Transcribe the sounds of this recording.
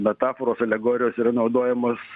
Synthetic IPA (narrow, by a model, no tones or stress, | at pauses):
mʲɛt̪ɑːfoːɾoːsɐlʲɛɡoːɾʲɪjoːsiːɾɐnɐʊd̪oːjɛmoːs